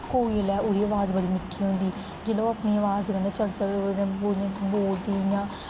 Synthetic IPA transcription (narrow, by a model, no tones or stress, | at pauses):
koːiːəlɛːuːɾiːəʋaːzbəɽiːmɪʈʰːiːɦõnd̪iː | d͡ʒɪloːapniːəʋaːzkə̃nd̪et͡ʃəlt͡ʃəlnẽːbõboːld̪iːjãː